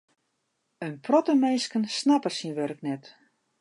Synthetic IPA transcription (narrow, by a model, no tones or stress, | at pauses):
ənpʰrɔtəmejskənsnapəsinʋørknɛt